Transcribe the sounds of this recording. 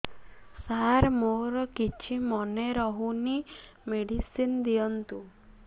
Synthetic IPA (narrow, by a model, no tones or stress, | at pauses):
saɾmoɾɔkit͡ʃʰimɔneɾɔɦunimeɽisind̪ijɔnt̪u